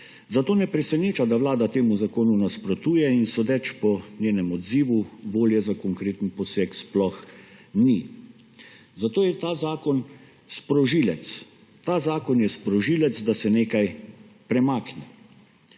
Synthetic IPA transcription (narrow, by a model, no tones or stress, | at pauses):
zat̪oːnɛpɾɛsɛneːt͡ʃad̪aʋlaːd̪at̪eːmuzakoːnunaspɾɔt̪uːjɛinsɔd̪ɛt͡ʃpɔnʲjeːnɛmɔd̪ziːʋuʋoːljɛzakɔŋkɾeːt̪n̩pɔseksplɔxni | zat̪oːjɛt̪aːzaːkɔn | spɾɔʒiːlɛt̪s | t̪aːzaːkɔnjɛspɾɔʒiːlɛt̪zd̪asɛneːkajpɾɛmaːknɛ